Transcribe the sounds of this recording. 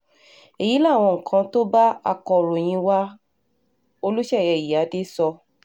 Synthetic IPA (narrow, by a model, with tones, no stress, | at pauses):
e˨ji˨˦la˦˨w̃ɔ̃˧ŋ̩˨kʰã˧to˦ba˦a̰˦˨kɔ˨ɾo˨j̃ĩ˧wa˦ | o˧lu˦ʃɛ˦˨jɛ˧˨ji˨a˨˦de˦sɔ˧